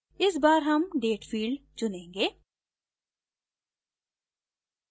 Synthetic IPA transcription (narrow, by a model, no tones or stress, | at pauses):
ɪsbaːɾɦɐmɖeːʈfʰiːɭɖt͡ʃʊnẽːŋɡeː